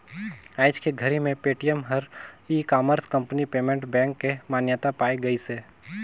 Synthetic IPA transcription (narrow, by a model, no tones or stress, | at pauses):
aːɪd͡ʒkeɡʱəɾimẽpeːʈijəmɦəɾiːkaːməɾskɐ̃mpnipeːmẽɳʈbɛ̃ːŋkːemaːnjət̪apaːeɡɐiseː